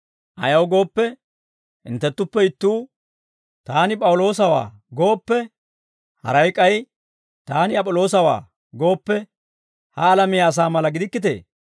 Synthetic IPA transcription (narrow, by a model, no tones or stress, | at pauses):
ʔɐ̰jɐwɡo̞ːpːɛ | hɪ̰nt̪ːɛt̪ːʊpːɛɪt̪ːuː | t̪aːnɪpʼɐwʊlo̞ːs̬ɐwa̰ː | ɡo̞ːpːɛ | hɐ̰ɾɐjkʼːɐj | t̪aːnɪɐpʼɔlo̞ːs̬ɐwa̰ː | ɡo̞ːpːɛ | hɐːlɐmɪjaːs̬aːmɐlɐɡɪd̪ɪkːɪt̪e̞̰ː